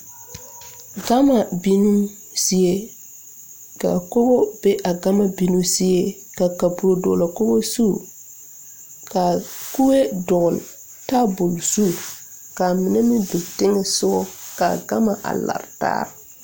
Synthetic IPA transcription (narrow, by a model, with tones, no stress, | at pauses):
ɡa˦ma˨bi˦nu˦ | sɪ˦e˦ | ka̰˨ko˦bɔ˦b̥e˦ʔa˨ɡa˦ma˨bi˦nu˦sɪ˦e˦ | ka˨ka˨pu˨ɾo˨dɔ̰˨la˨kʊ˦bo˦su˦˨ | ka˨ku˦we˦dɔ˨l | ta˦bʊ˨lsu˦˨ | ka˨mɪ˨nɛ˦mɪ˦do˨tɪ˦ŋɛ˨sʊ˦ɔ˦ka˨ɡa˦ma˨ʔa̰˨la̰˨ɾta̰ː˦ɾ